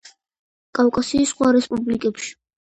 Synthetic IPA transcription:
kʼawkʼasiːsːχwaɾɛspʼublikʼɛpʃi̥

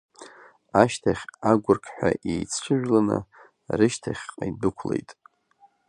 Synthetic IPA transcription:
aʃtʰaχʲaɡʷʊrkʰħʷᶣa̰ʔejt͡sʰʂʷʰɨʒᶣlanɨ̰ | rɨʃtʰaχʲqʼajdɨkʷʰlḛjtʼ

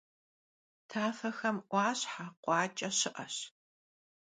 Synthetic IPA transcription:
tʰaːfɐxɐmʔʷɑːɕħaqʷɑːt͡ʃʼɐɕɪʔɐɕ

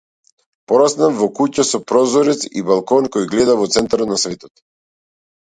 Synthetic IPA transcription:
pɔɾasnamvɔkucasɔpɾɔzɔɾɛt̪sḭbalˠkɔnkɔjɡlɛd̪avɔt̪sɛnt̪aɾɔt̪nasvɛt̪ɔt̪

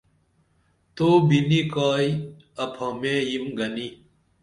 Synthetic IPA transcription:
t̪oːbinikaːi | ɐpʰɐmẽːjimɡɐni

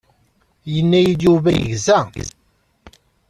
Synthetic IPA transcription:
jənːæjid̪juvæjə̰ʝzæ

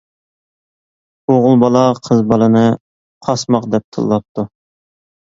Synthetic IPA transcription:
oʁʊlˠbɑlˠɑqʰəzbɑlˠɨnɨ | qʰɑsmɑqd̪ɛp̚t̪ʰɨ̰lˠːɑp̚t̪ʰu

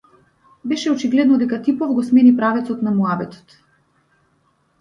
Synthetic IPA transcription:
bɛʃɛɔt͡ʃiɡlɛd̪nɔd̪ɛkat̪ipɔvɡɔsmɛnipɾavɛt̪sɔt̪namuabɛt̪ɔ̥t̪

